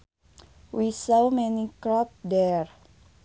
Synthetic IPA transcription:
wisowmɛnikɾɔp̚dɛɹ

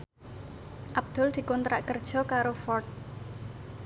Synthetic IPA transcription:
ʔab̚d̪̥ɔ̤ld̪̥i̤kɔnt̪ɾaʔkərd̥ʒ̥ɔ̤kaɾofɔrt̪̚

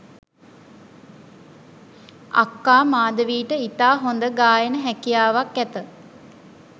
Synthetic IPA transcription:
a̰kːaːmaːd̪əʋiːʈəit̪aːɦond̪əɡaːjənəɦækijaːʋakːæt̪ə

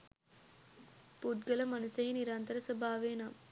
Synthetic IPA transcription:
pud̪ɡɐlɐmɐnɐsɐjniɾaːnt̪ɐɾɐsɐbʱaːʋeːnaːm

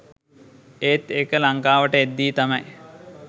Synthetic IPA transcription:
eːt̪ekəlaŋkaːʋəʈəed̪ːiːt̪amɐj

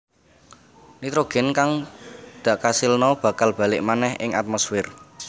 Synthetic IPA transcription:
nit̪ɾoɡ̥ɛ̤nkaŋd̪̥a̤ʔkasilnɔb̥ä̤kalb̥a̤lɪʔmanɛhɪ̰ŋat̪̚mɔsfɪr

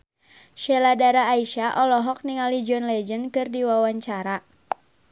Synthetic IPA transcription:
ʃɛladaɾaːiʃaʔɔlɔɦɔk̚niŋalid͡ʒɔnlɛd͡ʒənkɨrdiwawaɲt͡ʃaɾa

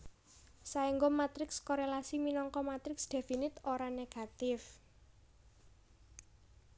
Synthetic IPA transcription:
saiŋɡɔmat̪ɾɪkskoɾelasiminɔŋkɔmat̪ɾɪksd̪̥e̤finɪt̪oɾaneɡ̥a̤t̪ɪf

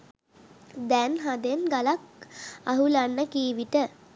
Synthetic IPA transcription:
d̪ɛnɦad̪enɡalakaɦulanːəkiːʋiʈə

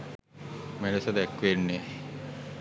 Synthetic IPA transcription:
menesəd̪ækːʋenːe

